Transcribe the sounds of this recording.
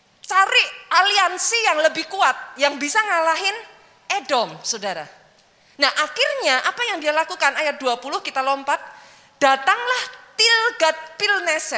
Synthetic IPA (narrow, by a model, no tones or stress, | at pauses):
t͡ʃaɾɪʔʔaliansijaŋləbɪhkuat̪̚jaŋbisaŋalaɦɪn | ʔedɔmsodaɾa̰ | naʔaxɪrɲaʔapajaŋdialakukanajat̪̚duapulʊhkit̪alɔmpat̪̚ | d̥at̪aŋlaht̪ilɡat̪̚pilnɛsɛ